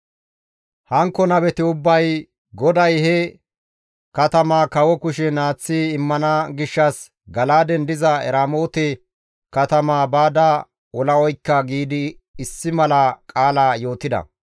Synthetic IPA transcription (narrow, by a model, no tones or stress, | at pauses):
hɐŋkːɔnɐbɛt̪ɪʊbːɐj | ɡɔd̪ɐjhɛ | kɐt̪ɐmaːkɐwɔkʊʃɛnaːt͡sːiɪmːɐnɐɡɪʃːɐs | ɡɐlaːd̪ɛnd̪ɪzɐɛ̰ɾaːmoːt̪ɛ | kɐt̪ɐmaːbaːd̪a | wʔɔlɐwɔjkːɐɡiːd̪ɪːsːɪmɐlɐkʼaːlaːjo̞ːt̪ɪd̪ɐ̰